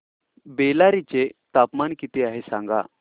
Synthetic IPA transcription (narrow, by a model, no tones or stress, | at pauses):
belaɾit͡ɕet̪apmankit̪eaɦesãŋɡa̰